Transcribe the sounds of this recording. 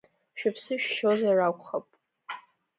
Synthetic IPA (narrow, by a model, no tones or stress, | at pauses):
ʃᶣapʰsɨʃʃozarakʷʼχapʼ